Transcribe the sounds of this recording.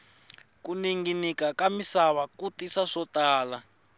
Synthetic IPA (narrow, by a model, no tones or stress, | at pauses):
kuniŋɡinikakamisaβakutiʂaʂɔtaːla